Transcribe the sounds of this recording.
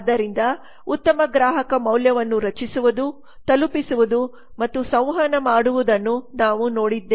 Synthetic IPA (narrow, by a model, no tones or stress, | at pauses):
d̪ɐɾind̪ɐ | ut̪ːɐmɐɡɾaːɦɐkɐmɐwljɐʋɐnːuɾɐt͡ʃisuʋud̪u | t̪ɐlupisuʋud̪u | mɐt̪ːusɐ̃w̃ɦɐnɐmaːɽuʋud̪ɐnːunaːʋuno̞ːɽid̪ːeː